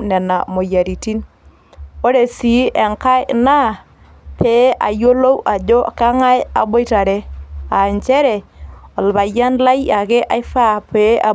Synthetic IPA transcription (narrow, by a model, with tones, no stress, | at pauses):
nɛ˨na˨mo˨ja˨ɾi˨ti˦n | o˦ɾe˨si˨˦e˨ŋka˦jna˦˨ | peː˨˦ʔa˨jo˦lo˦wʔa˨d͡ʒo˦ka˦ŋa˦ja̰˨bo˦jta˨ɾe˦a˨ɲt͡ʃɛ˦ɾɛ˨o˨lβa˨ja˦nla˦ja˨ke˦ʔa˦jfa˦peː˨˦a˨